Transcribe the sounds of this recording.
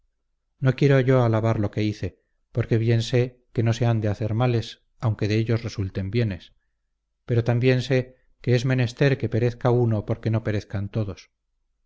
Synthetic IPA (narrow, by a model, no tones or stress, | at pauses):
nokje̞ɾo̞ʝo̞alaβaɾlo̞ke̞iθe̞ | po̞ɾke̞βje̞nse̞ | ke̞no̞se̞and̪e̞aθe̞ɾmale̞s | awŋke̞ðe̞eʎo̞sre̞sult̪e̞mbje̞ne̞s | pe̞ɾo̞t̪ambje̞nse̞ | ke̞ezme̞ne̞st̪e̞ɾke̞pe̞ɾe̞θkauno̞po̞ɾke̞no̞pe̞ɾeθkant̪o̞ðos